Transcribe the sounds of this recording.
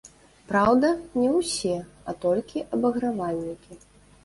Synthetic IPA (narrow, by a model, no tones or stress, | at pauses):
pɾawd̪ɐnʲɛwsʲɛɐt̪ɔlʲkʲiʔɐbɐɣɾavalʲnʲikʲi